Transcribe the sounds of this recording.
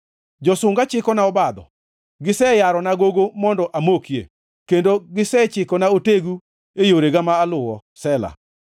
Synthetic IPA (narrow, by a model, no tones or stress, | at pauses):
d͡ʒɔsʊŋɡat͡ʃɪkɔnaɔbad̪ɔ̰ | ɡɪsɛjaɾɔnaɡoɡomɔndɔʔamokjḛ | kendoɡɪsɛt͡ʃɪkɔnaoteɡu | ejoɾeɡamaːlʊwɔsɛla̰